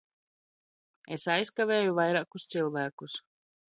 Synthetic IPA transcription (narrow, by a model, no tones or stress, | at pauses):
esajskavʲeːjuvajɾaːkust̪sɨlˠvæːkus